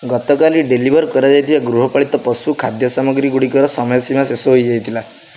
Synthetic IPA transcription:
ɡɔt̪ɔkaliɖelibʱɔɾkɔɾad͡ʒajt̪ʰibaɡɾuɦɔpaɭit̪ɔpɔsukʰad̪jɔsamɔɡɾiɡuɽikɔɾɔsɔmɔjɔsimasesɔɦojd͡ʒajt̪ʰila

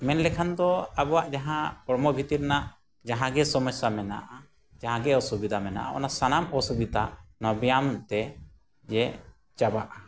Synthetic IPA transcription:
mɛnlɛkʰand̪ɔabɔwaʔd͡ʒaɦãpɔɾmɔbʱit̪iɾnaʔ | d͡ʒaɦãɡɛsɔmɔsamɛna̰ʔa | d͡ʒaɦãɡɛɔsubid̪ʱamɛna̰ʔa̰ɔ̰nasanamɔsubid̪ʱanɔbjamt̪ɛ | d͡ʒɛ | t͡ʃabaʔa

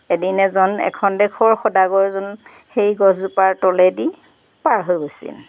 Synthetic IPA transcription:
edinɛzɔnɛ̰kʰɔndɛkʰɔɹxɔdaɡɔɹzɔn | xejɡɔzzupaɹtɔlɛdi | paɹɦojbosḭl

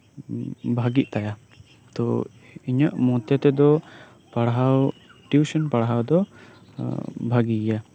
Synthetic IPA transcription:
bʱaɡiʔ̚t̪aja | t̪ɔ̰ | iɲaʔmɔt̪ɛt̪ɛd̪ɔ | paɽɦawʈuwsɔnpaɽɦawd̪ɔ | bʱaɡija

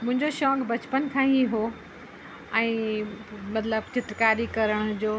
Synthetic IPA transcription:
mʊ̃ɦɪ̃ɲd͡ʑoʃɔːkbɐt͡ɕpənkʰãːiɦo | ɛ̃ː | mɐt̪ləbt͡ɕɪt̪ɾkaːɾikɐɾəɽ̃ʊd͡ʑoː

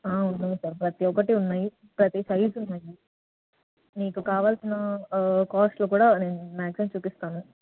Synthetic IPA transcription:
aːunːaːjisɐːɾpɾɐt̪iɔkɐʈiunːaːji | pɾɐt̪isɐjsunːaːji | niːkukaːʋaːlsinɐkaːsʈloːkuːɽaːne̞ːnumaːksimt͡ʃuːpist̪aːnu

